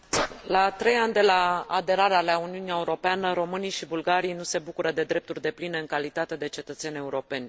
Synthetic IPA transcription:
lat̪ɾe̞janʲd̪e̞la̰ːd̪e̞ɾaɾealauniuniaeuɾo̞peanəɾo̞mɨnijʃibulɡaɾijnuse̞bukuɾəd̪e̞d̪ɾe̞p̚t̪urʲd̪e̞plinəɨŋkalit̪at̪e̞d̪e̞t͡ʃe̞t̪ət̪se̞nʲe̞uɾo̞pe̞nʲ

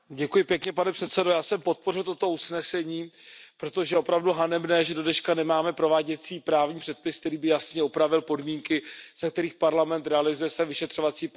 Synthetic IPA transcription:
ɟɛkujɪpjɛkɲɛpanɛpr̥ɛt̪sɛdojaːsɛmpo̞t̪̚po̞rɪlt̪ot̪o̞usnɛsɛɲiːpɾot̪oʒɛo̞pɾavduɦanɛbnɛːʒɛdodnɛʃkanɛmaːmɛpɾo̞vaːɟɛt͡siːpɾaːvɲiːpr̝̥ɛt̪̚pɪsk̚t̪ɛɾiːbɪjasɲɛupɾavɪlpo̞dmiːŋkɪz̥ak̚t̪ɛɾiːxpaɾlamɛnt̪ɾɛalɪzujɛsvɛːvɪʃɛt̪r̝̥o̞vat͡siːp

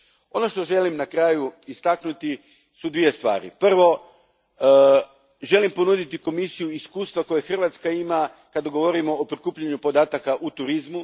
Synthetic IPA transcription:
o̞no̞ʃt̪o̞ʒe̞limnakɾaːjuist̪aknut̪i | sud̪ʋije̞st̪ʋa̰ːɾḭpr̩ʋo̞ | ʒe̞limpo̞nud̪it̪iko̞misijuiskuːst̪ʋako̞jexr̩ʋat̪skaima | kad̪aɡo̞ʋo̞ɾimo̞opɾikuːpʎeɲupo̞d̪aːt̪akaʔut̪uɾizmu

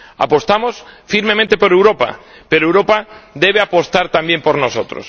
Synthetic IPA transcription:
a̰po̞st̪amo̞sfiɾmemẽnt̪e̞po̞ɾewɾo̞pa̰ | pe̞ɾoewɾo̞pad̪e̞β̞eapo̞st̪aɾt̪ambje̞mpo̞ɾno̞so̞t̪ɾo̰s

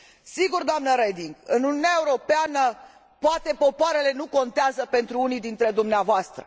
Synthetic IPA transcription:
siɡurd̪oamnəɾed̪iŋɡɨnuniuneaeuɾo̞peanə | poat̪e̞po̞poaɾe̞le̞nuko̞nt̪eazəpe̞nt̪ɾuunijd̪int̪ɾe̞d̪umneavoast̪ɾə̰

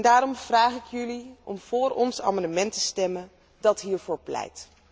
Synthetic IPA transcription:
ndaːɾɔmv̥raːχɪkjɵliɔmv̥ʊːɹɔnsa̰ːmɑndəmɛntəstɛmən | dɑtɦiːɹv̥ʊːɹplɛ̰jt

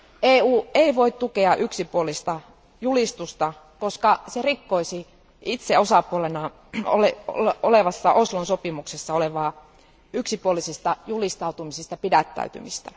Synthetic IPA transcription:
ʔeːuːeˑiʋoit̪t̪ukeɑʔyksipuolist̪ɑ | julist̪ust̪ɑ | koskɑserikːoisi | it̪seosɑpuolenɑ | o̰leo̰loleʋɑsːɑʔoslonsopimuksesːɑoleʋɑː | yksipuolisest̪ɑjulist̪ɑut̪umisest̪ɑpidæt̪ːæ̰yt̪y̰mist̪æ̥

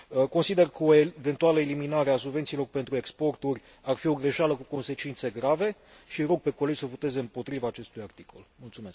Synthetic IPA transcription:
əko̞nsid̪e̞rkəoeve̞nt̪ualəeliminaɾeasubve̞nt̪silo̞rpe̞nt̪ɾue̞kspo̞rt̪urʲ | arfio̞ɡɾe̞ʃaləkuko̞nse̞t͡ʃint̪se̞ɡɾave̞ʃiɾo̞ɡ̚pe̞ko̞le̞d͡ʒsəvot̪e̞zeɨmpo̞t̪ɾivaːt͡ʃe̞st̪ujart̪i̥kʰo̞̰lmult̪sume̞sk

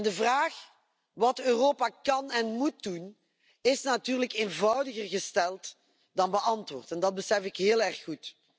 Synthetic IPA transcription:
ndəvraːx | ʋɑtøːroːpakɑnɛnmut̚dun | ɪsnatyːrləkeːnvɑwdəɣərɣəstɛlˠt | dɑnbəʔɑntwʊːrtɛndɑd̚bəsɛfɪkɦeːlˠɛrxːut

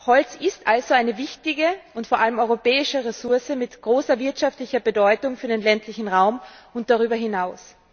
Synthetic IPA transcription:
hɔlt͡sɪstʔalzoaɪnəvɪçtɪɡəʊntfoːɐʔaləmɔʏʁopɛːɪʃəʁesʊɐsəmɪtɡ̥ʁoːsɐvɪɐtʃaftlɪçɐbədɔʏtʊŋfyːɐdenlɛntʰlɪçn̩ʁaʊmʊnt̚d̥aʁyːbɐɦɪnaʊs

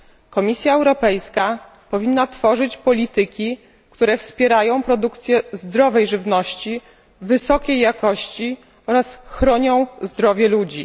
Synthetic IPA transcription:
kɔmʲisʲjaɛwɾɔpɛjska | pɔvʲinːat̪fɔʐɘt͡ɕpɔlʲit̪ɘkʲi | kt̪uɾɛfspʲjɛɾajɔ̃w̃pɾɔd̪ukt̪sʲjɛzd̪ɾɔvɛjʐɘvnɔɕt͡ɕi | vɘsɔkʲejːakɔɕt͡ɕi | ɔɾasxɾɔɲɔ̃w̃zd̪ɾɔvʲjɛlud͡ʑi

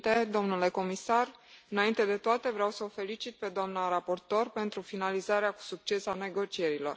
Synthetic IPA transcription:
t̪ed̪o̞mnule̞ko̞misarɨnaint̪e̞d̪e̞t̪oat̪e̞vɾeawsəofe̞lit͡ʃit̪̚pe̞d̪oamnaɾapo̞rt̪o̞rpe̞nt̪ɾufinalizaɾeaku̥suk̚t͡ʃe̞sane̞ɡo̞t͡ʃie̞ɾilo̞r

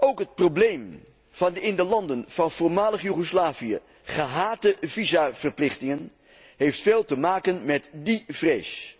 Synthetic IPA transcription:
ʔowkɦət̚prowblejm | v̥ɑndəɪndəlɑndənv̥ɑnv̥ʊːɹmaːləχjyχoslaːviə̰ | χəɦaːtəvizav̥ərplɪχtɪŋən | ɦejftfeːlˠtəmaːkənmɛtdivrejs

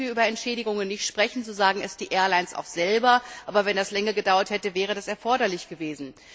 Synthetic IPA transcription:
iːɐyːbɐɛntʃɛːɾɪɡʊŋənːɪçtʃpʁ̥ɛçn̩zoːzaːɡŋ̩ɛsd̥iːʔɛːɐlaɪnsa̰ʊxz̥ɛlbɐʔaːbɐvɛndaslɛŋəɡədaʊɐthɛtəvɛːʁ̞ədasɛɐfɔɐɾɐlɪçɡ̥əveːzn̩

